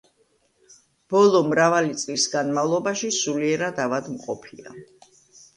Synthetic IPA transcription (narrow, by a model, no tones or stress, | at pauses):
b̥ɔlˠɔmɾavalit̪sʼlisɡanmavlˠɔbaʃisuliɛɾad̪avad̪mqʼɔpʰia̰